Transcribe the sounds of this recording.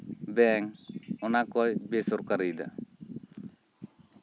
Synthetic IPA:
bɛŋɔnakɔjbesɔɾkaɾijd̪a̰

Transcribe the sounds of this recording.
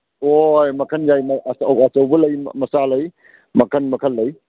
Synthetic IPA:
ojmɐkʰɐnjajmɐsɐɐsɐwbɐlɐjm̰mɐsalɐj | mɐkʰɐnmɐkʰɐlːɐj

